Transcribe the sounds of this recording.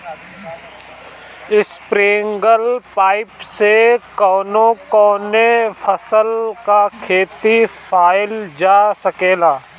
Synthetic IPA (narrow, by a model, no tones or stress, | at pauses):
ɪspɾeːŋɡəlpaːɪpsekɔːnõkɔːnefʰəsəlkakʰeːt̪ipʰaːɪld͡ʒaːsəkeːlaː